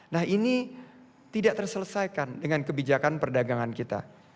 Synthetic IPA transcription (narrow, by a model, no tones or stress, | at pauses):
nahini | t̪idaʔt̪ərsələsajkandəŋankəbid͡ʒakanpərdaɡaŋankit̪a̰